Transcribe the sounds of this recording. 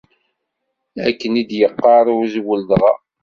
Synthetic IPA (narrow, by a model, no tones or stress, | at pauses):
ækːənid̪jəqːɑɾˤʊzwəld̪ʁɑ̰